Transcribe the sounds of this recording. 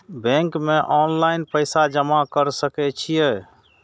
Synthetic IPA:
bɛ̃ŋkmeʔɔnlaɪnpəjsad͡ʒəmakəɾsəkɛt͡ʃʰijɛ

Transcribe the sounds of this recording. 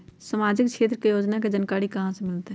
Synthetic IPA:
səmaːd͡ʒɪkʃeːt̪ɾəkejoːd͡ʒnaked͡ʒənkaːɾikɐɦãsemɪlt̪eɦ

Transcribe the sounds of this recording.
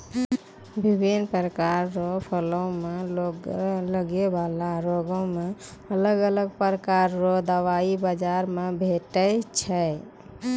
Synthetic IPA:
bʱibʱinpɾəkaɾːopʰəlõmeoləɡebalaɾoɡõmeələɡələɡ̚pɾəkaɾːod̪əʋaibəd͡ʒaɾmebʱeʈət͡ʃʰə

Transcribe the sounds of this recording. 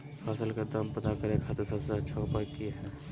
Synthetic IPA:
fʰaːsəlked̪əmpət̪akəɾekʰaːt̪eɾsəbseətːʃʰaʊpakiɦɛː

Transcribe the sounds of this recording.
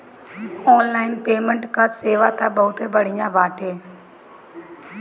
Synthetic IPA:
ɔːnlaːɪnpeːməɳʈkaːseːʋaːt̪ãːɓəʊt̪ʰeːbəɽ̤ɪ̃jãːbʱaːʈeː

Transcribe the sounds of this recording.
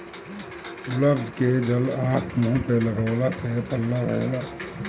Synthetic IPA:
ʊləbd̪ʱked͡ʒɐlaːkʰmũːpeləɡaːlasepəlːaɾə̰ḛlaː

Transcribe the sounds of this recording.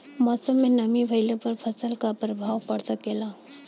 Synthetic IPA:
mɔːsəmːẽnəmibʱəjlepəɾpʰəsəlkapɾəbʱaːwpəɽt̪akela

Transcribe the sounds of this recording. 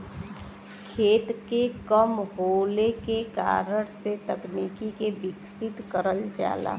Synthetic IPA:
kʰeːt̪kekəmɦoːlekeka̰ːɾəɽ̃set̪əkniːkikebɪksɪt̪kəɾəld͡ʒa̰ːla̰ː

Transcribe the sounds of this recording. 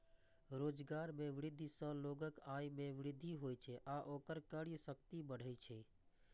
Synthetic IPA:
ɾoːd͡ʒɡaːɾmẽʋɪɾɪd̪ʱːisə̃loːɡəkaːjmẽʋɪɾɪd̪ʱːiɦojt͡ʃʰɛʔaʔoːkəɾkəɽisəkt̪ibəɽ̤əjt͡ʃʰɛ

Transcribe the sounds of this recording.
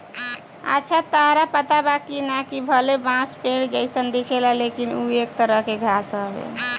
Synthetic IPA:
ə̰tːt͡ʃʰat̪əɦɾapət̪abakinakibʱəlebãspeɽd͡ʒəɪsənd̪ikʰelalekinuekt̪əɾəɦkeɡʱasəbḛ

